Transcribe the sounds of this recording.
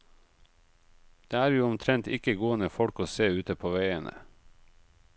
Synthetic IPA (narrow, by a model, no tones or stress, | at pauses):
d̪̥eːæːɾjuːɔmt̪ʰɾɛnt̪ɪkəɡuːənəfɔɽkoːseːʉːt̪əpʰoːʋeɪənʔə̰